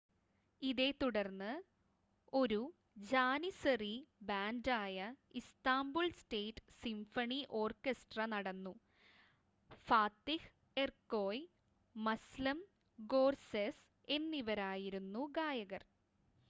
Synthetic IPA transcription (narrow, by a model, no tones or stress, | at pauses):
iðe̞ːt̪uɽɐrnːɨ | o̞ɾu | d͡ʑaːnisɐribaːndaːjɐist̪aːmbuɭsʈeːtːsimfɐɳiʔo̞ːrkesʈrɐnɐɽɐnːu | faːt̪ih | erkːo̞ːj | mɐslɐm | ɡo̞ːrses | e̞nːiʋɐɾaːjiɾunːuɡaːjɐɣɐr